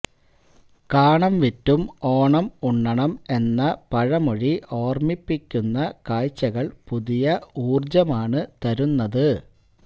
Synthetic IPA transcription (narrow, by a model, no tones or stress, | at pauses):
kaːɳɐmʋitːumo̞ːɳɐmuɳːɐɳɐme̞nːɐpɐɻɐmoɻiʔo̞ːrmipːikʲːunːɐkaːjt͡ɕːɐɣɐɭpuðijɐuːrd͡ʑɐmaːɳɨt̪ɐɾunːɐðɨ